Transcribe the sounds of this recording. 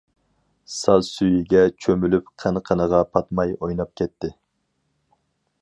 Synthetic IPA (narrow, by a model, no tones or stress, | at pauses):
sɑlsyjiɡʲɛt͡ʃʰømylypqʰænqʰənəʁɑpʰɑt̪mɑjojnɑp̚kʲʰɛt̪ʰːɪ